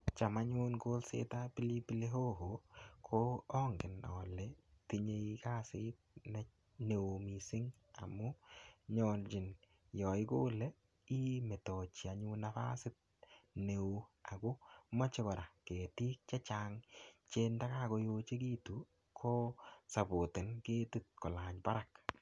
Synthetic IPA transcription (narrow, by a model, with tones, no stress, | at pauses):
t͡ʃa˨ma˦ɲu˦nko˦lsḛ˦tapi˦li˦pi˦le˦ɦo˦ɦo˨kʰoɔ˦ŋɡɪ˨nɔ̰˨lɛti˦ɲe˧ika˦sɪ˦t̚nɛ˦ | ne˨o˨mi˨sɪ˦ŋ | a̰˨mʊ˦ɲɔ˨nt͡ʃɪ˨n | jɔ˨ɪ˦koː˦lɛ˦ | i˦mɛ˨tɔ˨t͡ʃi˨a˨ɲu˦nafa̰˦sɪ˦t̚ | ne˨ua˨ɡo˦mɔ˦t͡ʃɪ˦kɔ˨ɾa˨ke˨ti˦k̚t͡ʃɛ˦t͡ʃaŋt͡ʃe˦nda˦ka˦ko˦jot͡ʃe˦ki˦tu˦ | kʰɔ˦sa˨bo˨tɪ˨nke˦tu˦t̚kɔ˨la˨ɲba˦ɾak